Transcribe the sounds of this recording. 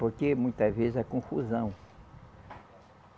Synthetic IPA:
poɾkemũj̃t̪ɐzvezɪzɐkõfṵzɐ̃w̃

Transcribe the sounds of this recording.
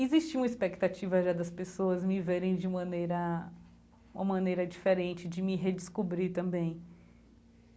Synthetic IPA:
ɪzist͡ʃiũmɐispekt̪at͡ʃivɐʒad̪ɐspesoɐzmɪveɾẽj̃d͡ʒɪũmɐ̃nejɾɐ | ũmɐmɐ̃nejɾɐd͡ʒifeɾẽnt͡ʃɪd͡ʒɪmɪɦed͡ʒɪskubɾit̪ɐ̃bẽj̃

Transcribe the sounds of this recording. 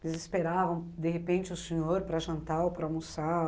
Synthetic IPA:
lɪzespeɾavɐ̃w̃d̪eɦepẽnt͡ʃɪʊsẽɲoɾpɾɐʒɐ̃nt̪aopɾɐamusa

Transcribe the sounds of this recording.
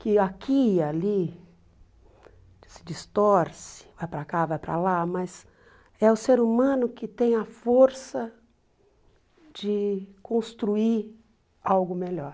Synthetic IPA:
kɪakʰiali | ɪ̥sɪd͡ʒist̪ɔɾsɪ̥vajpɾakavajpɾa̰lamɐz | ɛʊseɾumɐ̃nʊkɪt̪ẽj̃ɐfoɾsɐ | d͡ʒɪkõst̪ɾuiɾ | awɡʊmeʎɔɾ

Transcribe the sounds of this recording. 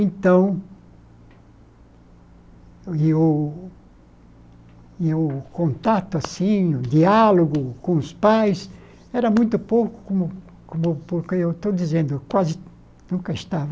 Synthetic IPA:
ẽnt̪ɐ̃w̃ | ɪʊ | ɪʊkõnt̪at̪ʊasĩʊd̪ialoɡʊkõʊspajs | ɛɾɐmũj̃t̪ʊpowkʊ̥kõmʊ | kõmʊpoɾkeewt̪owd̪izẽnd̪ʊkwazɪ | nũkɐɪst̪avɐ

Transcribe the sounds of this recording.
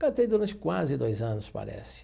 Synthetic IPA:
kɐt̪ejd̪uɾɐ̃t͡ʃɪ̥kwazɪd̪ojzɐ̃nʊspa̰ɾɛ̰sɪ̥

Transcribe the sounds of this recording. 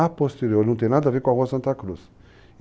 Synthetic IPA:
apost̪eɾioɾnɐ̃t̪ẽj̃nad̪ɐaveɾkõaɦuɐsɐ̃nt̪ɐkɾus

